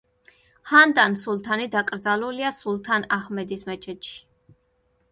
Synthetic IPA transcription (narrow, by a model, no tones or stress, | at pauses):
hand̪ansulˠt̪ʰanid̪akʼɾd̪zaluliasulˠt̪ʰanaχmɛd̪ismɛt͡ʃʰɛt̪ʃi̥